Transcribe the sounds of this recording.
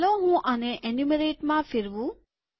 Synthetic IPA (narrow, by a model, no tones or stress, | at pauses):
loːɦũʔɐneʔenumeɾeːʈmãfʰiɾʋu